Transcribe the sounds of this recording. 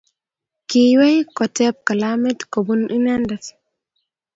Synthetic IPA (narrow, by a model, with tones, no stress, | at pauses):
ki˨we˦jkɔtɛp̚ka˨lamɛtko˨bunʔi˦na˦ndas